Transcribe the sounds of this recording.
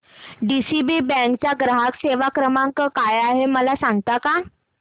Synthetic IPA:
ɖisibiːbɛ̃ŋkt͡ɕjaɡɾaɦakseʋakɾəmaŋkəkajaɦeməlasaŋɡt̪aka

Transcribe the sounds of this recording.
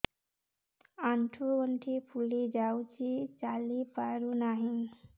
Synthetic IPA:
aɳʈʰuəɳʈʰipʰulid͡ʒawt͡ɕit͡salipaɾunaɦin

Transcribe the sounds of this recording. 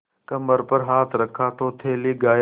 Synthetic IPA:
kɐməɾpɐɾɦaːt̪ʰɾɐkʰːaːt̪ʰoːt̪ʰeːliɡaː

